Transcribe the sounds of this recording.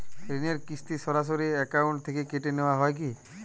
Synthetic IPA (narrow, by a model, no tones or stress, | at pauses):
tɾineɾkist̪isɔɾas̬oɾiɛkawɳʈt̪ʰːekekeʈenewaɦɔejki